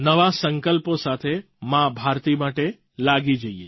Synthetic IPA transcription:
nəʋasəŋkəlposat̪ʰe | mãbʱaɾt̪imaʈe | laɡid͡ʒəie

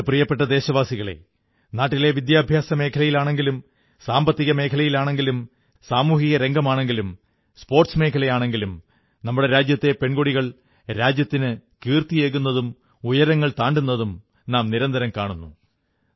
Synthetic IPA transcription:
prijɐpːe̞ʈ̬ːɐd̪e̞ːɕɐʋaːsiɣɐɭe̞̰ | naːʈːile̞ʋid̪jaːbʱjaːsɐme̞ːkʰɐlɐjilaːɳe̞ŋɡilum | saːmbɐt̪ːiɣɐme̞ːkʰɐlɐjilaːɳe̞ŋɡilum | saːmuːhiɣɐɾe̞ŋɡɐmaːɳe̞ŋɡilum | spo̞ːrʈsme̞ːkʰɐlɐjaːɳe̞ŋɡilum | nɐmːuɽe̞ɾaːd͡ʑjɐt̪ːe̞pe̞ɳɡoɽiɣɐɭ | ɾaːd͡ʑjɐt̪ːinɨkiːrt̪ije̞ːɣunːɐðum | ujɐɾɐŋːɐɭt̪aːɳɖunːɐðum | naːmniɾɐnd̪ɐɾɐmkaːɳunːu

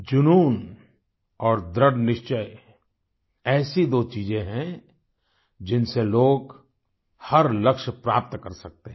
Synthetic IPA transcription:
d͡ʒʊnuːn | ɔːɾd̪ɾəɽnɪʃt͡ʃəj | ɛːsid̪oːt͡ʃiːzẽɦɛ̃ | d͡ʒɪnseloːɡ | hɐɾlɐkʃpɾa̰ːp̚t̪kɐɾsɐk̚t̪eɦ

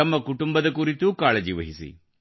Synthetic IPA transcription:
ɐmːɐkuʈumbɐd̪ɐkuɾit̪ːukaːɭɐd͡ʑiʋɐɦisḭ

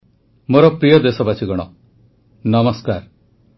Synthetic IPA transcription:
moɾɔpɾijɔd̪esɔbat͡ʃʰiɡɔɽ̃ɔ̰ | nʌmɔskaɾ

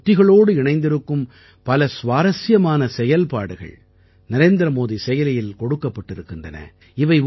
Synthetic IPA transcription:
ʈːɪɣɐɭoːɽɯɪɳɐɪnd̪ɪɾɯkːɯm | pɐlɐsʋaːɾɐsɪjɐmaːnɐsɛjɐlpaːɽɯɣɐ̰ɭ | nɐɾeːnd̪ɐɾɐmoːðisɛjɐlɐjɪlkɔɽɯkːɐpːɐʈːɪɾɯkːɪndrɐnɐ̰ | ɪʋɐɪ

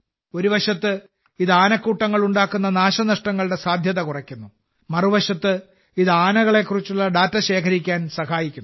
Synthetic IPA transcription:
o̞ɾuʋɐʂɐt̪ːɨ | iðɨaːnɐkːuːʈːɐŋːɐɭuɳɖaːkːunːɐnaːɕɐnɐʂʈɐŋːɐɭɨɽe̞saːd̪ʱjɐðɐkurɐkʲːunːu | mɐruʋɐʂɐt̪ːɨ | iðɨaːnɐɣɐɭe̞kːurit͡ɕːuɭːɐɖaːtːɐɕe̞ːkʰɐɾikʲːaːnsɐxaːjikʲːunː

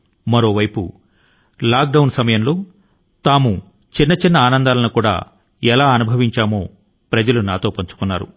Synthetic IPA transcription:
mɐɾo̞ːʋɐjpṵ | laːk̚ɖɐwnsɐmɐjɐmlo̞ː | t̪aːmu | t͡ʃinːɐt͡ʃinːɐaːnɐnd̪aːlɐnukuːɽa̰ː | ɛlaːɐnubʱɐʋiɲt͡ʃaːmoː | pɾɐd͡ʒɐlunaːt̪o̞ːpɐɲt͡ʃu̥kunːaːɾṵ

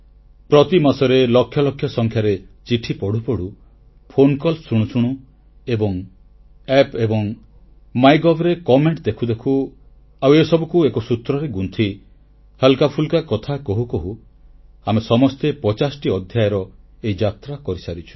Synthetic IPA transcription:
pɾɔt̪imasɔɾelɔkʰːjɔlɔkʰjɔsɔŋkʰjaɾet͡ʃiʈʰipɔɽ̤upɔɽ̤u | pʰonkɔlsuɽ̃usuɽ̃u | ebɔŋ | epebɔŋ | majɡɔbɾekɔmeɳʈd̪ekʰud̪ekʰu | awesɔbɔkuekɔsut̪ɾɔɾeɡunt̪ʰi | helkapʰulkakɔt̪ʰakɔɦukɔɦu | amesɔmɔst̪epɔt͡ʃasɔʈiɔd̪ʱjajɔɾɔeid͡ʒat̪ɾakɔɾisaɾit͡ʃʰu̥

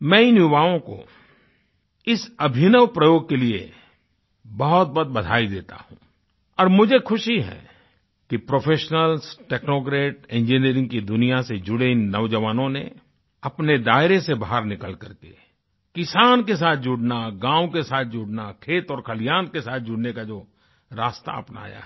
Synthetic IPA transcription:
mɛ̃ːɪnjʊbaːõko̰ | ɪsɐbʱɪnəʋpɾəjoːɡ̚keliḛ | bɐɦɔt̪̚bɐt̪̚bɐd̪ʱaːid̪eːt̪a̰ɦṵ̃ː | ɔːɾmʊd͡ʒʱekʰʊʃiɦɛ̰ | kipɾoːpʰeːʃnəlsʈeːknoːkɾeːʈẽːnd͡ʒeːniəɾɪ̃ŋɡkid̪ʊnijased͡ʒʊɽeɪnːɐʋd͡ʒəʋaːnõne | ɐpned̪aːɪɾesebaɦəɾnɪkəlkɐɾkḛ | kɪsaːnkesaːt̪̚ʰd͡ʒʊɽnaɡãːwkesaːt̪̚ʰd͡ʒʊɽnakʰeːt̪ɔːɾkʰɐlɪjaːnkesaːt̪̚ʰd͡ʒʊɽnekad͡ʒoː | ɾaːst̪a̰ɐ̰pna̰ːja̰ɦ

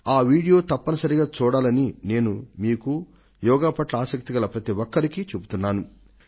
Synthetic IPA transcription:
aːʋiːɽijo̞ːt̪ɐpːɐnɐsɐɾiɡaːt͡ʃuːɽaːlɐnine̞ːnumiːku | jɔːɡaːpɐʈlɐaːsɐk̚t̪iɡɐlɐpɾɐt̪iʋɔkːɐɾikit͡ʃubut̪unːaːnu

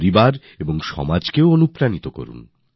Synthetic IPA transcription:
ɾibaɾ | eboŋʃɔ̰mad͡ʑkeoonupɾanit̪oko̰ɾṵn

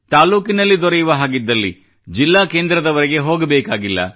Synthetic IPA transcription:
t̪aːluːkinɐlːid̪ɔɾɛjuʋɐɦaːɡid̪ːɐlːḭ | d͡ʒilːaːkeːnd̪ɾɐd̪ɐʋɐɾɛɡe̞ɦoːɡɐbeːkaːɡilːɐ̰

